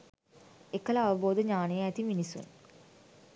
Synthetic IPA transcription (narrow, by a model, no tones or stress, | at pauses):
ekːələaʋəboːd̪əɲaːnəjəæt̪iminisṵn